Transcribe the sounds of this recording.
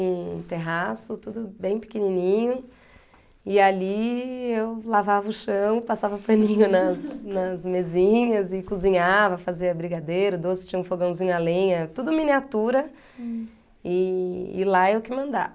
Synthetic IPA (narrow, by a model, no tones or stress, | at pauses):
ũt̪eɦasʊt̪ud̪ʊbẽj̃pɪ̥keninĩɲʊ | ɪaliewlavavɐʊʃɐ̃w̃pasavɐpɐ̃nĩɲʊnɐsnɐzmezĩɲɐzɪkuzĩɲavɐfaziɐbɾiɡad̪ejɾʊd̪osɪ̥t͡ʃĩɲɐũfoɡɐ̃w̃zĩɲʊalẽɲɐt̪ud̪ʊminiat̪uɾɐ | ɪ̰ːlaewkɪmɐ̃nd̪a̰